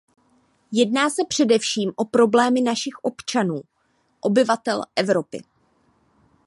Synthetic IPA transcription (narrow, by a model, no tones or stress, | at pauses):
jɛdnaːsɛpr̝̥ɛdɛfʃiːmʔo̞pɾo̞blɛːmɪnaʃɪxʔo̞pt͡ʃanuː | ʔo̞bɪvat̪ɛlʔɛvɾo̞pɪ̰